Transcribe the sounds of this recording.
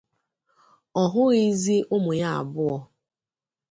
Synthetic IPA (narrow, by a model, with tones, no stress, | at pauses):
ɔ˨ɦʊ˦ɣi˦zi˦ʔʊ˦mʊ˨ja˦a̰˨bʊ˦ɔ˦